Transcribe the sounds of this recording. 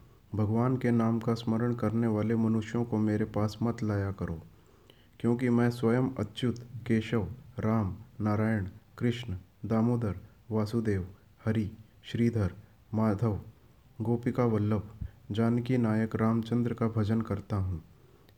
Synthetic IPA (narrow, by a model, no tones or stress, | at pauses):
bʱɐɡʋaːnkenaːmkasməɾəɽ̃kɐɾneʋaːlemɐnʊʃjõkomeːɾepaːsmɐt̪laːjakɐɾoː | kjõːkimɛ̃ːswɐjəmɐ̰tːt͡ʃʊt̪keːʃəʋɾaːmnaːɾaːjəɽ̃kɾɪʃnd̪aːmoːd̪əɾ | ʋaːsud̪eːʋ | hɐɾi | ʃɾiːd̪ʱəɾ | maːd̪ʱəʋ | ɡoːpɪkaʋəlːəpd͡ʒaːnkinaːjəkɾaːmt͡ʃə̃nd̪ɾəkabʱɐd͡ʒənkɐɾt̪aɦũː